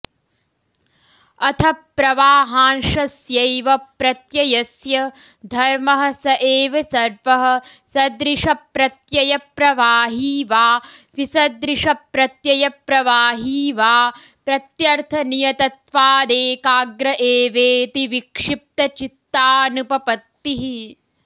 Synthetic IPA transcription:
ɐt̪ʰɐpːɾɐʋaːɦaːnʃɐsjɐjʋɐpɾɐt̪jɐjɐsjɐ | d̪ʱɐɾmɐɦɐ̆sɐʔeːʋɐsɐɾʋɐɦɐ̆sɐd̪ɾiʂɐpɾɐt̪jɐjɐpɾɐʋaːɦiːʋaːʋisɐd̪ɾiʂɐpɾɐt̪jɐjɐpɾɐʋaːɦiːʋaː | pɾɐt̪jɐɾt̪ʰɐnijɐt̪ɐt̪ʋaːd̪eːkaːɡɾɐʔeːʋeːt̪iʋikʂip̚t̪ɐt͡ʃit̪ːaːnupɐpɐt̪ːiɦi

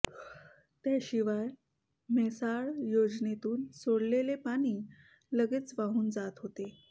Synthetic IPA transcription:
t̪eɕiʋaj | mesaɭjod͡znet̪uːnsoɽlelepaɽ̃iː | ləɡeːt͡sʋaɦuːnd͡zat̪ɦot̪e

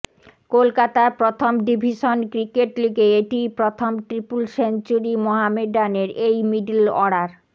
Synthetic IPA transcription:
kolkat̪apɾot̪ʰomɖibʱiʃonkɾikeʈliɡeeʈipɾot̪ʰomʈɾipulsent͡ɕuɾimoɦameɖaneɾejmiɖilɔɽaɾ

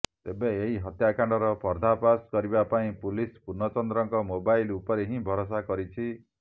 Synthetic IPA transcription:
t̪ebeeɦiɦɔt̪jakaɳɖɔɾɔpɔɾd̪ʱapaskɔɾibapaĩpulispuɾnɔt͡ʃɔnd̪ɾɔŋkɔmobajlupɔɾeɦĩbʱɔɾos̬akɔɾit͡ʃʰi

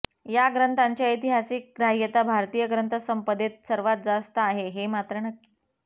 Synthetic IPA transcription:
jaɡɾənt̪aɲt͡ɕjait̪iɦasik̚ɡɾaɦjət̪abʱaɾt̪ijəɡɾənt̪ʰəsəmpəd̪et̪̚səɾʋat̪̚d͡zast̪əaɦeɦemat̪ɾənəkːi̥

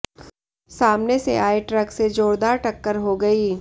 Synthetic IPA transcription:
saːmnesḛʔaːeʈɾəksed͡ʒoːɽd̪aːɾʈɐkːəɾɦoɡɐiː

